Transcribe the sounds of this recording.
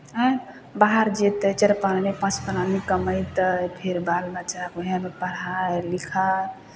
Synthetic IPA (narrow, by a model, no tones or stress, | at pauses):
baɦaɾd͡ʒet̪ət͡ʃəɾpannepãt͡ʃpəlamikəməjt̪əpʰeɾbalbat͡ʃakuɦãmepəɽ̤alikʰa